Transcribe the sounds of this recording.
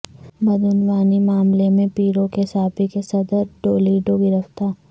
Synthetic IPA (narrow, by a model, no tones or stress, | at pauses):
bɐd̪ʱʊnʋaːnimaːmlemẽpiːɾõkesaːbikesɐd̪əɾɖoːliːɖoɡɪɾəft̪aː